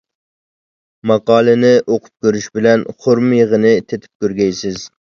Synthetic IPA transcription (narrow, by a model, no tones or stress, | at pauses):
mɑqɑːlˠɨnɪʔoqʰʊ̥p̚kʲøɾyʃbɪlɛnχoɾmjəʁənɪt̪ʰet̪ʰɪ̥p̚kʲøɾɡʲɛjsɪz